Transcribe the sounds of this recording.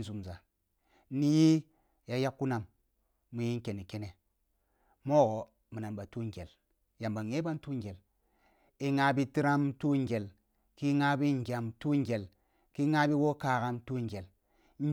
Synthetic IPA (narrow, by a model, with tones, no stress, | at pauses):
zu˨mza˨˦ | ni˦ji˦ | ja˨ja˦kːu˦na˨mː | u˨ji˦ŋ˦ke˨ni˨ke˦ne˨ | mo˦ɡo˨ | mi˨na˨nba˨tu˦ŋ˨ɡe˨l | ja˨mba˨ŋe˦ba˦n˦tu˦ŋ˦ɡe˨l | i˨ŋa˨bi˦ti˦ɾa˦mtu˦ŋ˦ɡe˨l | ki˦ŋa˦bi˦ŋ̩˨ɡʲa˨mtu˦ŋ˦ɡʲe˨l | ki˦ŋa˦bi˦wo˦ka˨ka˦mtu˦ŋ˨ɡe˨l̩˦